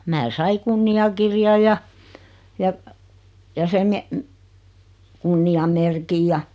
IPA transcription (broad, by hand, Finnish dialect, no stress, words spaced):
mæː sɑi kunːiɑkirjɑj̆ jɑ jɑ jɑ sem me kunːiɑmerkij jɑ